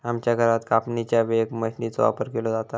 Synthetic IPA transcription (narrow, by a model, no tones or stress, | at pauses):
amt͡ɕjaɡʱəɾat̪kapnit͡ɕjaʋeɡməɕnit͡sɔ̰ʋa̰pəɾkelod͡zat̪a